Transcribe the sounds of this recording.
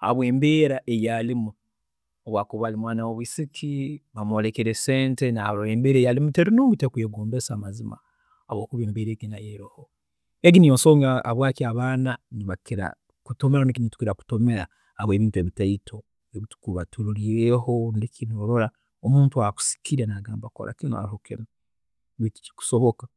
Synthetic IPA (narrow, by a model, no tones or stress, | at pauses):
a̰βwe̞ːmbeːɾaʔejalimu | oβwakuβalimwaːnawoβwisikʰiβamolekeɾeseːntenaloeːmbeːɾejalimuteɾinoːmɡutekujeɡoːmbesaːmazima̰ | aβwo̞ːkuβeːmbeːɾeɡinajeɾiho | eɡinijonso̞ːŋɡaːβwaːkiaβaːnaniβakiɾa̰ | kuto̞meɾanikinitu̥kiɾaku̥to̞me̞ɾa̰ | aβwe̞ːβiːntue̞ːβitaitʰo̞ | eβitu̥kuβatʰuɾuɾiɾeɦonekʰinoɾo̞ɾa | omuːntuaku̥si̥kʰiɾenaɡaːmbakoɾʔa̰kino̰a̰ɾihokino | βiti̥ci̥ku̥so̞βoka